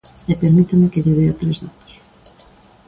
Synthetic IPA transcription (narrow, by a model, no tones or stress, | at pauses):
epeɾmit̪ɐmɪkeʎeβejɐt̪ɾezðat̪o̥s